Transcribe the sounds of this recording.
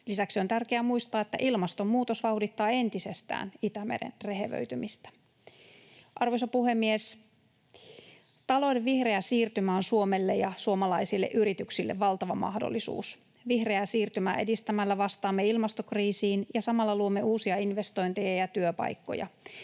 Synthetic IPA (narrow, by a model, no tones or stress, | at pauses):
lisæksiont̪ærkeæmuist̪ɑːet̪ːæ̰ʔilmɑst̪o̞mmuːt̪o̞sʋɑwdit̪ːɑːe̞nt̪ise̞st̪æ̰ːnit̪æmḛdḛnreɦeʋø̰yt̪ymist̪æ̥ | ʔɑrʋosɑpuhe̞mːies | t̪ɑlo̞jdeʋʋihre̞æsiːrt̪ymæːnsuo̞melːejɑsuo̞mɑlɑisilːḛʔyɾit̪yksilːḛʋʋɑlt̪ɑʋɑmɑ̰hdo̰lːisṵːs | ʋihre̞æsiːrt̪ymæ̰ːedist̪æmælːæʋɑst̪ɑːmːeilmɑst̪okriːsiːnjɑsɑmɑlːɑluomːeuːsiɑinʋe̞st̪oint̪ejɑjɑt̪yøpɑ̰jkːo̰jɑ̰